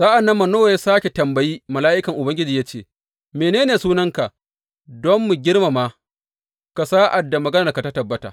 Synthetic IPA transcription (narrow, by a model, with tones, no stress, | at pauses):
zaː˦ʔa˨nːɐ˦mːɐ˨noː˦wa˨ja˦saː˦kʲe˨tɐ˨mbɐ˨jiː˦mɐ˨laː˦ʔɪ˦kɐ˨ŋʔʊ˨bɐ˦ŋɡʲɪ˦d͡ʒiː˨jaː˦t͡ʃeː˦˨ | meː˨neː˦neː˨suː˦nɐ˦ŋka˨ | dɔ˦mːu˨ɡʲɪ˦ɽma˨maː˦ | ka˨saː˦ʔa˨dːa˨mɐ˨ɡɐ˦nɐ˨ka˨ta˦tɐ˨bːɐ˦ta̰ː˨